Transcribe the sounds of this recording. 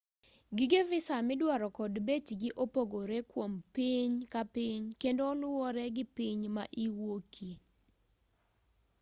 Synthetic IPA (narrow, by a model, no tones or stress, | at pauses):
ɡɪɡevɪsamɪdwaɾɔkɔdbetiɡɪʔopoɡoɾekwompiɲkapɪɲkendoːlʊɔɾɛɡɪpiɲma̰ʔiwokʰi